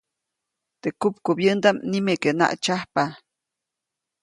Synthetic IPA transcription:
t̪ekupkubjənd̪amnimekena̰ʔt͡ʃahpa

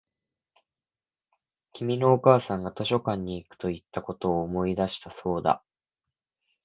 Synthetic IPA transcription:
kʲimʲino̞ːkaːsãŋɡat̪o̞ɕo̞kãɲ̟ːiːkɯ̥t̪o̞it̪ːako̞t̪o̞ːmo̞id̪aɕi̥t̪aso̞ːd̪a̰

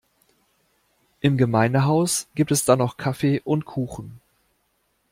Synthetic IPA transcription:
ʔɪmɡəmaɪnəɦaʊsɡ̥iːp̚tɛsd̥anɔχkʰafeːʔʊntkʰuːxn̩

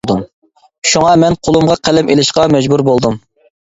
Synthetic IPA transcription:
d̪um | ʃuŋɑmɛnqʰolˠumʁɑqʰælɛmelɪʃqɑmɛd͡ʒbuɾbolˠd̪um

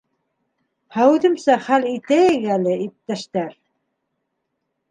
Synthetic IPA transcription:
hæwʉðɘ̆msæχælit̪æjɘɡælɘʔip̚t̪æʃt̪æɾ

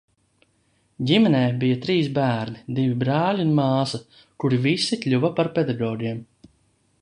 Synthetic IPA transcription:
ɟʲimɛnɛːbijat̪ɾiːsbæːɾnid̪ivʲibɾaːlʲiunmaːsɐ | kuɾivisiklʲuvɐpaɾpʲed̪aɡɔːɾʲiɛm

